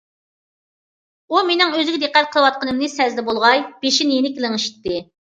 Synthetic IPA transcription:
umenɪŋøzɪɡʲɪd̪eqːæt̪̚qʰəlˠəwɑt̪̚qʰənɨmnɨsɛzd̪ɛbolˠʁɑjb̥eʃinjenɪkʲilˠɪŋɨʃi̥t̪ːɨ

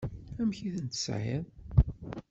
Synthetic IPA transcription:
æmçiθənt̪sʕḭm

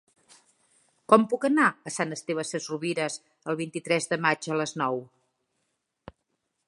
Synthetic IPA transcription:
kɔmpukənaəsanəst̪eβ̞əsəzruβiɾəz | əlˠβint̪it̪ɾɛzðəmad͡ʒələznɔw

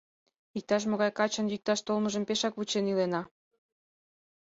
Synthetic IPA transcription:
ik̚t̪ɑʃ̬moɣɑjkɑt͡ɕə̆njik̚t̪ɑʃt̪olməʒə̆mpeʃɑkβut͡ɕenilenɑ

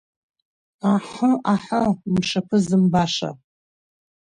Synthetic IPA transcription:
aħəaħəmʂapʰɨzɨmbaʂa̰

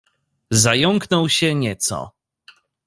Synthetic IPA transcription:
zajɔŋknɔwɕɛɲɛt̪sɔ̰

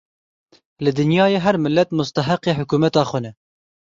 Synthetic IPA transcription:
lɨd̪ɨnjɑːjeːɦɛɾmɪlːɛt̪mʊst̪ɐɦɑqeːħʊkuːmɛt̪ɑːxʷɛnɛ

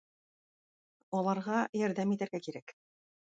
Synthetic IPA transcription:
ɒlˠɑɾʁɑjɒɾd̪æmit̪æɾɡækiɾæk

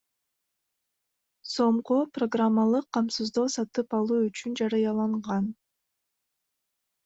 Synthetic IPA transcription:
so̞ɴquproɡramːalˠɯqʰːɑmsɨzd̪oːsɑt̪ɯpɑlˠuːyt͡ʃynd͡ʒɑɾɑjɑlˠɑɴʁɑn

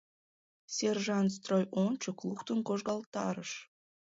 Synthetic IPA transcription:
sʲerʒɑnt̪s̬t̪rojont͡ɕoklˠuxt̪ənkoʒɣɑlˠt̪ɑ̰ɾəʃ

